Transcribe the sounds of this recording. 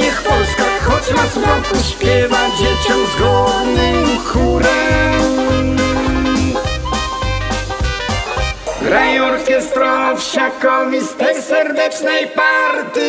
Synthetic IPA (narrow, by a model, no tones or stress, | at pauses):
ixpɔlskaxxɔt͡ɕmaspakuɕpʲjɛvad͡ʑet͡ɕɔmzɡɔvnɪmkʰuɾɛm | ɡɾajɔɾkʲɛst̪ɾɔɔfɕakɔmʲist̪ɾɛjsɛɾd̪ɛt͡ʂnɛjpaɾt̪ʲji